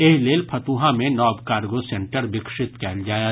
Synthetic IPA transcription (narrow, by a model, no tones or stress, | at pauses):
eɦleːlpʰɐt̪uːɦãmẽnɔːbkaːɾɡosẽɳʈəɾbɪkʃɪt̪kɛːld͡ʒaːja